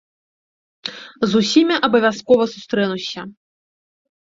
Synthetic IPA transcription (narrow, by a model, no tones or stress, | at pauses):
zusʲimʲiʔɐbɐvʲjaskɔvɐsust̪ɾɛnusʲɐ